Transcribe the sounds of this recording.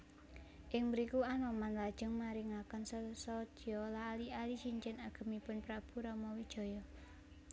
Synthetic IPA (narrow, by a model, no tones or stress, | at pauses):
ʔɪŋməɾikuanɔmanlad̥ʒ̥ə̤ŋmaɾɪŋakənssɔdɔlaːlialisiɲt͡ʃɪnaɡ̥ə̤mipʊnpɾab̥uɾɔmɔwid̥ʒ̥ɔ̤jɔ